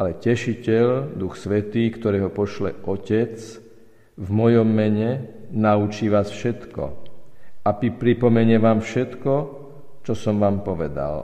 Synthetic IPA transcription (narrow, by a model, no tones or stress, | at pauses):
alɛcɛʃicɛʎd̪uxsʋɛt̪iːkt̪ɔɾɛːɦɔpɔʃlɛ̰ʔɔcɛt͡s | vmɔjɔmːɛɲɛnaut͡ʃiːʋaːsfʃɛt̪kɔ̰ | apipɾipɔmɛɲɛʋaːmfʃɛt̪kɔ | t͡ʃɔsɔmʋaːmpɔʋɛd̪a̰l